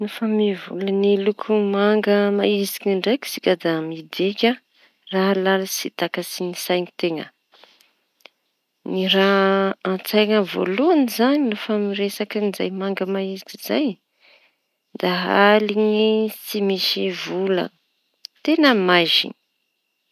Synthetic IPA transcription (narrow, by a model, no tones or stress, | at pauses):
nufamivṵlənilukʰumaŋɡəmaizi̥kiɳɖ͡ʐaki̥si̥kʲad̪amid̪ekʲə | raɦlalasit̪akasinisajnit̪eŋə̰ | niraãnt͡sajŋəvo̰luanizanilofamiɾesakiniza̰jmaŋɡəmaizikiza̰j | d̪aɦaliŋisimiʃivulə̰ | t̪enəmaʒḭni̥